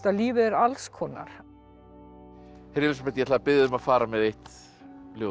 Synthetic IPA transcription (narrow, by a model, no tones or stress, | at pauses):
t̪aliːvɪðɛɾalskʰɔːna̰ɾ̥ | heɾjɛvɪs̬mɛt̪jɛt̪aðapɪðʏmaðfaːɾamɛðejht̪ | ljoː